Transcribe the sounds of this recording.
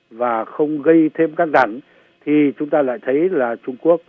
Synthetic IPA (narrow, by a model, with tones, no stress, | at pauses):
vaː˨˩xə˧wŋ͡mɣə˧jt̪ʰe˧mkaː˦˥k̚ɗ̪a˧˩ŋ | t̪ʰi˨˩t͡ɕʊ˨˦ŋ͡mt̪aː˧la̰ː˧˨jt̪ʰə˨˦jlaː˨˩t͡ɕʊ˧ŋ͡mku˦˥ək̚